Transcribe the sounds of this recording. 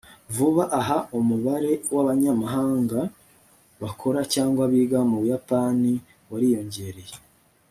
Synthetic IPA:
vuβaʔaɦaomuβaɾe̞waβaɲamaɦaːŋɡa | βakʰo̞ɾacaːŋɡwaβiːɡamuβujapani | waɾijo̞ɲɟe̞ɾe̞je

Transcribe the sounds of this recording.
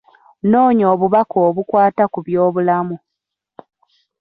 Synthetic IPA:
no̞ːɲo̞ːβuβakoːβukwaːtakuβjo̞ːβulamu

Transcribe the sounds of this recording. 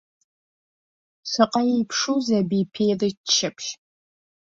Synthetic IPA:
sɨqɐjipʰʂuːzɐbiːpʰeːjrɨtʃɐpʃ

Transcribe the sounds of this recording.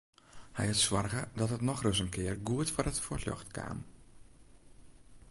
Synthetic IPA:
hɛ̰jhətswɔrɣədɔtɦətnɔxrɵs̬ənkʰɪərɡuətfɔɾətfotjɔ̰xtkʰa̰ːm

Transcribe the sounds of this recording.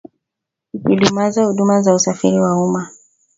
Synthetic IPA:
ipilumazahuɗumazausafḭɾiwauma

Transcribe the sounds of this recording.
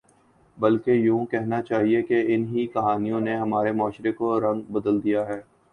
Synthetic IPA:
bɐlkejũːkɛɦnat͡ʃaːɦiekeɪnɦikɐɦaːnijõneɦɐmaːɾemɔːʃɾekoɾɐ̃ŋɡbɐd̪əld̪ijaɦɛː

